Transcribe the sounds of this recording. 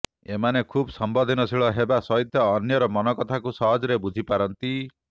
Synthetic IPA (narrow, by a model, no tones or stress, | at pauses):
emanekʰubɔsɔmbɔd̪ʱinɔsʰiɭɔɦebasɔɦit̪jɔːnjɔɾɔmɔnɔkɔt̪ʰakusɔɦɔd͡ʒɔɾebud͡ʒʱipaɾɔnt̪i